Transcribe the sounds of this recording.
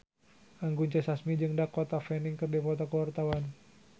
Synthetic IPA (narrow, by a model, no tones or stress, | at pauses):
ʔaŋɡuɲt͡ʃɛsasmid͡ʒɨŋdakɔt̪afɛnɪŋkɨrdipɔt̪akəwart̪awan